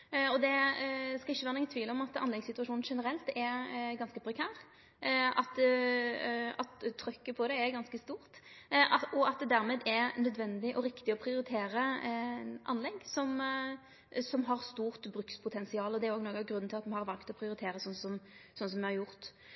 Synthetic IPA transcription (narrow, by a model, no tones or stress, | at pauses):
ɔd̪ɛskɑɪçːəʋæːʁnɛŋːənt̪ʰʋiːləɔmɑt̪ɑnlɛɡsɪt̪ʉɑʂuːnn̩ʂɛnəɾɛlt̪ɛɾɡɑnskəpʰɾɛkʰæːʁ | ɑt̪ | ɑt̪t̪ʰːɾœkːəpʰɔd̪ɛɛɾɡɑnskəst̪uːʁt̪ | ɔɑt̪̚d̪ɛd̪æɾmeːd̪ɛɾnœd̪ʋɛnd̪ɪʔɔɾɪkt̪ɪɔpʰɾɪʊɾɪt̪ʰeːɾə | ʔɑnlɛɡsɔm | sɔmɦɑʁst̪uːʁt̪bɾʉkspʰʊt̪ʰɛnsɪɑːləɔd̪ɛæɾoːɡnɔːɡɑɡɾʉnːn̩ʰɪlɑt̪mɛhɑʁɾʋɑlkt̪ɔpʰɾɪʊɾɪt̪ʰeːɾəsɔnːsɔmsɔnəsɔmʋɛhɑɾjʊʁt̪